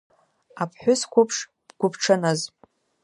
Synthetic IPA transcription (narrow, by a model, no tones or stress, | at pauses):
apʰħʷʊskʷʰʊpʰʂ | ɡʷʊpʰʈ͡ʂʰanaz